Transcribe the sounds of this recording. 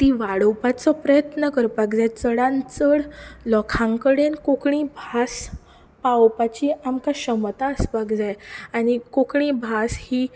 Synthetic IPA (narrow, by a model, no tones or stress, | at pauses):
t̪iʋaɽəwpat͡sɔpɾəjət̪nəkəɾpakd͡zajt͡səɽãnt͡səɽlɔkʰãŋkəɽenkokɳĩbʱas | pawpat͡ɕiamkaɕəmt̪aəspaɡd͡zajañikokɳĩbʱashiː